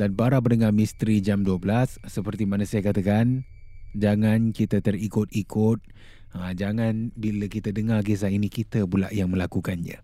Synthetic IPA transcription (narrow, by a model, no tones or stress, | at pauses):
d̥anpaɾabərndəŋamist̪ɾid͡ʒamduəbəlasːəpərt̪imanasajakat̪akan | d͡ʒaŋankit̪ət̪ərikʊt̪̚ikʊt̪̚ | əd͡ʒaŋanbiləkit̪ədəŋarɡes̬ainikit̪əbula̰ʔjaŋmə̃lakukand͡ʒə̰